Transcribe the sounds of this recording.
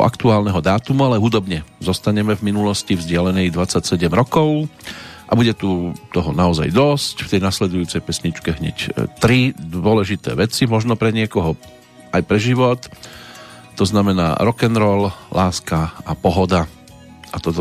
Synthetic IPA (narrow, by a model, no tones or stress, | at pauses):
ʔa̰kt̪uaːlnɛɦɔd̪aːt̪umualɛɦud̪ɔbɲɛzɔst̪aɲɛmɛvminulɔscivzɟɪalɛnɛjd̪ʋat͡sacsɛɟɛmɾɔkɔʊʔabuɟɛt̪ut̪ɔɦɔnaɔza̰jd̪ɔscft̪ɛjnaslɛd̪ujuːt͡sɛjpɛsɲit͡ʃkɛɦɲɛ̰ct̪ɾid̪ʋʊɔlɛʒit̪ɛ̰ːʋɛt͡simɔʒnɔpɾɛɲɪɛkɔɦɔ | ʔajpɾɛʒiʋɔt̪ː | ɔznamɛna̰ːɾɔkɛnɾɔllʔaːskaapɔɦɔd̪a | ʔat̪ɔt̪